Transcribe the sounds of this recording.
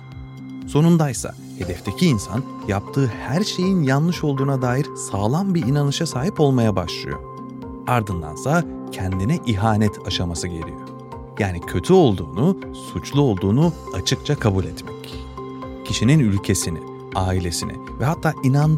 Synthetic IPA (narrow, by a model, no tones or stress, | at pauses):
so̞nund̪ajsa̰ | he̞d̪ɛft̪ʰe̞cʰiːnsa̰n | jap̚t̪ʰɯːhæɾʃe̞jinjanlˠɯʃo̞lˠd̪uːnad̪aːjiɾsaːlˠanbiinanɯʃasaːɦipo̞lˠmajabaʃlˠɯ̰jo̞̰ | aɾd̪ɯnd̪a̰nsaa | cʰɛnd̪inɛʔiɦaːnɛt̪ʰaʃamasɯɟe̞ɾʲḭjo̞ | jaːnicʰø̞t̪ʰyo̞lˠd̪uːnu | sut͡ʃlˠuo̞lˠd̪uːnu | at͡ʃʰɯkt͡ʃʰakʰabulʲɛt̪mɛc | cʰiʃininylʲcʰe̞sinḭ | aːilʲe̞sinɪ̰vɛɦat̪ʰːaːʔinan